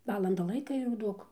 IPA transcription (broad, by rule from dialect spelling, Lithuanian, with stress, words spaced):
ˈʋɑːlˠɐndɐ ˈlˠɐɪkɐ jɛʊ ˈduɔk